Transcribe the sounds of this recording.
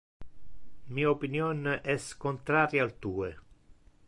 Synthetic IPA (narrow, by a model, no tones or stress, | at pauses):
miːaopinjɔnʔɛskont̪ɾaːɾjaːlt̪uːe